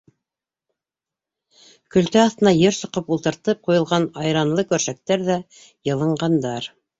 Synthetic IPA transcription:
kɵ̆lt̪æɑθt̪ɤ̆nɑjɘɾsɤ̆qɤpulˠt̪ɤ̆ɾt̪ɤp̚qujɤ̆lˠʁɑnɑjɾɑnlˠɤkɵ̆ɾʃæk̚t̪æɾðæ | jɤ̆lˠɤ̆ɴɢɑnd̪ɑɾ

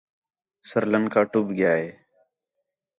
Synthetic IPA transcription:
səɾlənkaːʈʊbɡɪjaːɦeː

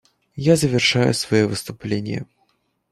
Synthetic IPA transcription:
jazəvʲɪrʂajʊ̰svɐjovɨst̪ʊplʲenʲɪ̰jə̰

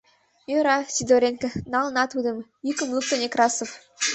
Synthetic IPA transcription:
jøɾɑsʲid̪oɾʲenkɘ̆nɑlˠnɑt̪ud̪ɤ̆mjykə̆mlˠuk̚t̪ɤ̆nʲekrɑsof

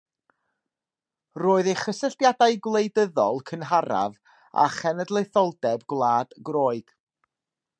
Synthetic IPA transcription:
roːɨðejχəsəɬtjadajɡwlˠejdəðɔlˠkʰənɦaɾa̰v | a̰χɛnɛdlˠejθɔlˠdɛbɡlˠaːd̥ɡroːɨd̥

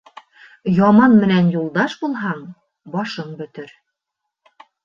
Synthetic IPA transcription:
jɑmɑnmɘ̆nænjulˠd̪ɑʃbulˠɦɑɴ | bɒʃɤɴbɵ̆t̪ɘɾ

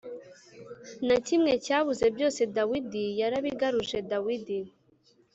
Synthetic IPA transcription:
nacimŋe̞caːβuze̞bjo̞ːse̞dawidijaɾaβiɡaɾuʒe̞dawidi

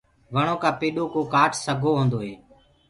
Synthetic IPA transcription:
ʋəɳ̃oːkãːpeːɗoːkoːkaːʈʰsəɡʱoːɦõːnd̪oːɦeː

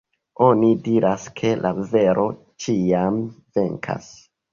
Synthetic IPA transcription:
o̞nidiɾʔaskʰe̞lʔave̞ɾʔo̞ | t͡ʃiamve̞ŋkʰa̰s

